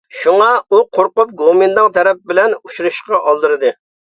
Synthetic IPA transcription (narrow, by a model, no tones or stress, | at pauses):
ʃuŋɑuqʰoɾqʊp̚ɡomɨnd̪ɨŋt̪ʰɛɾɛp̚bɪlɛnut͡ʃuɾɨʃqɑʔɑlˠd̪ɨɾɨd̪ɨ